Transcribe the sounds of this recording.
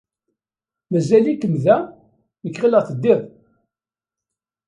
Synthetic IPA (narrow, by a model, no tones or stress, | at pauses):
mæzælikːəmðæ | nəkːʁiləʁθəd̪ːɪðˤ